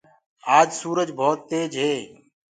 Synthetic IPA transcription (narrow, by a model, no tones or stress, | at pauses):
aːd͡ʒsuːɾəd͡ʒbʱoːt̪ːeːd͡ʒɦeː